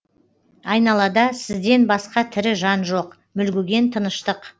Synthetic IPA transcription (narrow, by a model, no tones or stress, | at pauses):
ɑjnɑlˠɑd̪ɑsɪzd̪e̞nbɑsqɑt̪ʰɪɾɪʒɑnʒo̞q | mʏlɡʲɪɡʲe̞nt̪ʰənəʃt̪əq